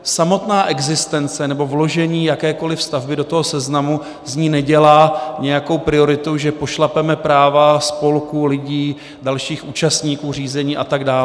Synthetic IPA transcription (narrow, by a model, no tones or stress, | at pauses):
samo̞t̪naːʔɛɡzɪst̪ɛnt͡sɛnɛbo̞vlo̞ʒɛɲiːjakɛːko̞lɪfst̪avbɪdo̞t̪oɦosɛznamu | zɲiːnɛɟɛlaːɲɛjako̞wpɾɪo̞ɾɪt̪uʒɛpo̞ʃlapɛmɛpɾaːvaspo̞lkulɪɟiː | dalʃiːxuːt͡ʃast̪ɲiːkuːr̝iːzɛɲiːʔat̪aɡdaːl